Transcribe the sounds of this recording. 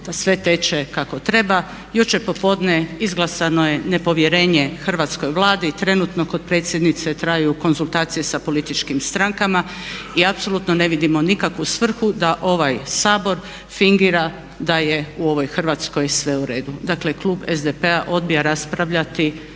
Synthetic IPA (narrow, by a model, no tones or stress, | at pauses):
d̪̥asʋe̞t̪e̞t͡ʃekako̞t̪ɾe̞ba | jut͡ʃepo̞po̞d̪neizɡlˠasanoje̞ne̞po̞ʋje̞ɾe̞ːɲexr̩ʋat̪sko̞jʋlˠaːd̪it̪ɾe̞nut̪no̞ko̞d̪̚pɾe̞ːt̪sʲjed̪nit̪se̞t̪ɾajjuko̞nzulˠt̪aːt̪sije̞sapo̞lit̪it͡ʃkimst̪ɾaŋkama | iapso̞lˠut̪no̞ne̞ʋid̪imo̞nikakʋusʋr̩xud̪aʔo̞ʋajsaːbo̞ɾ | fiŋɡiːɾa | d̪aje̞uo̞ʋo̞jxr̩ʋat̪sko̞jsʋe̞uɾe̞ːd̪ud̪akle̞kluːbezd̪epe̞aʔo̞d̪̚bijaɾaspɾaʋʎat̪i